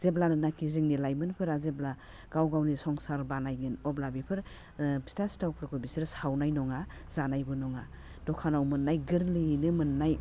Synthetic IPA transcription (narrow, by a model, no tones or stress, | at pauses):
z̥eblanɯnakʰizɯŋnilajmɯnpʰɯɾazebla | ɡ̥awɡawnisɔŋsaɾbanajɡɯnɔblabipʰɯɾ | stastawpʰɾkʰɔbisiɾsawnajnɔŋaz̥anajbɯnɔŋa | d̥ɔkʰanawmɯnːajɡɯɾlinɯmɯnːaj